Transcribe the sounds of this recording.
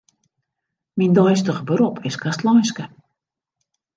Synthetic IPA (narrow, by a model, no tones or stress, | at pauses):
mindɔjstəχəbəɾɔpʰɪskastlɔjnskə